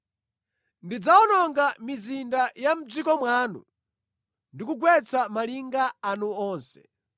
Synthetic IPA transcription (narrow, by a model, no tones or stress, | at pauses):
ndid͡zaɔnɔŋɡamizindajam̩d͡zikɔmwaːnṵ | ndikuɡwɛt͡samaliŋɡaanuɔːnsɛ̥̰